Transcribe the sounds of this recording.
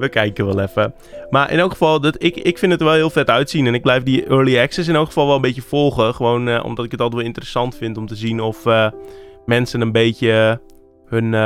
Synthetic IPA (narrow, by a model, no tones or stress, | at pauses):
ʋəkɛjkəʋɛlˠɛfə | marʔɪ̰noːkχəfɑlˠdətɪkɪkfɪndətəʋɛlˠhiəlˠfɛtœɥtsinɛnɪɡ̚blɛjfdiʔøːɹliɛksəs̬ɪnowkxə̥fɑlˠʋɛlˠəmbetjəfɔlˠχəxəʋoːnɔ̰mdɔtɪkətɔlˠtʋolˠɪntərəsɑntfɪntɔmtəzinɔfəmɛnsənənbeːtjə | høn